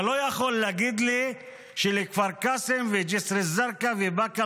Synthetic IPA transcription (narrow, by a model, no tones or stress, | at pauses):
lojaχolːaɡid̪li | ʃelikfaɾkasemved͡ʒesɾezaɾkavibaka